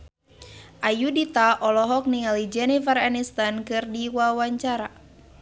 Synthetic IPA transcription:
ʔajudit̪aʔɔlɔɦɔk̚niŋalid͡ʒɛnifaranist̪ankɨrdiwawaɲt͡ʃaɾa

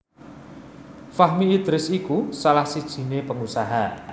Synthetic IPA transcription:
faɦmiːd̪̥ɾɪsikusalahsid̥ʒ̥i̤nepəŋusaɦa

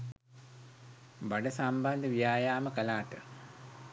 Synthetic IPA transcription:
baɖəsamband̪əʋijaːjaːməkəlaːʈə

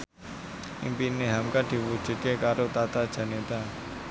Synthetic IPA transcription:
ɪ̰mpinːeɦɐmkaʈʰibut͡ʃɪt̪̚kekaːɾot̪aːt̪at͡ʃʰanot̪a

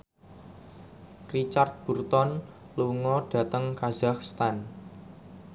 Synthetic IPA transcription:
rit͡ʃart̪̚b̥ṳrt̪ɔn | luŋɔɖ̥ä̤t̪əŋkaz̥akst̪an

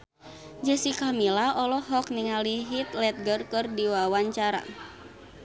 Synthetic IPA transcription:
d͡ʒəsikamilaɔlɔɦɔk̚niŋaliɦit̪lɛt̪̚ɡərkɨrdiwawaɲt͡ʃaɾa̰

